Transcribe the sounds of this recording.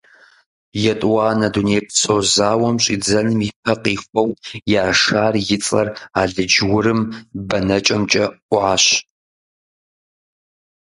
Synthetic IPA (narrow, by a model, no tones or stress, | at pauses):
jɛtʼwaːnɐdunejpʰsoːzaːwɐmɕʼiːd͡zɐnɨmiːpʰɐqiːxʷʼɔwjaːʂaːrjɪt͡sʼɐ̰raːɮɨd͡ʒwʊɾɨmbɐnɐt͡ʃʼɐmt͡ʃʼɐʔʷʊʕaːɕ